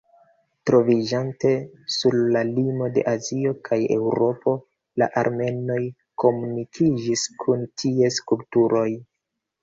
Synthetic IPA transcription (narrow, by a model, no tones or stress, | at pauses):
tɾo̞vid͡ʒante̞suɾlalimo̞de̞̰ʔazio̞kʰaje̞wɾo̞pʰo̞ | la̰ʔaɾme̞no̞j | ko̞munikʰid͡ʒiskʰuntʰie̞skuptuɾo̞j